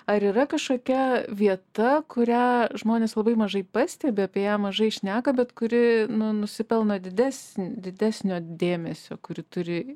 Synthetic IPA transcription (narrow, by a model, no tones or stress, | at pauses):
ɐɾiːɾɐkɐʃkoːkʲɛʋʲiɛt̪ɐkʊɾʲæːʒmoːnʲeːslˠɐbɐɪmɐʒɐɪpɐsʲt̪ʲɛbʲeɐpʲiːjæːmɐʒɐɪʃʲnʲæːkɐbʲɛt̪kʊɾʲɪnʊnʊsʲɪpʲɛlˠnoːd̪ʲɪd̪ʲæːsʲnʲd̪ʲɪd̪ʲæːsʲnʲoːd̪ʲeːmʲɛsʲoːkʊɾʲɪt̪ʊɾʲɪ